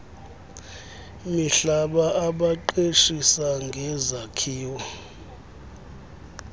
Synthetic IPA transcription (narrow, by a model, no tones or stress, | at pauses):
miɬaɓaʔaɓaǃeʃisaŋɡʱɛzakʰiːwɔ